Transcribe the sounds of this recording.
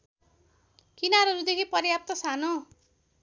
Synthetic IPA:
kinaɾʌɾud̪ekʰipʌrjap̚t̪ʌsano

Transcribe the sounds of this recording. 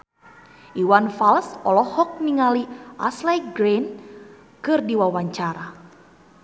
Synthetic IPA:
ʔiwanfalsɔlɔhɔk̚niŋaliʔaslajɡɾen | kɨrdiwawaɲt͡ʃaɾa

